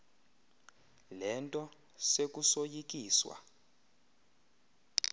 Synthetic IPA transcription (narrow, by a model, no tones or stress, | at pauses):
lɛntʼɔ | sek̬ʼusojik̬ʼiːswa̰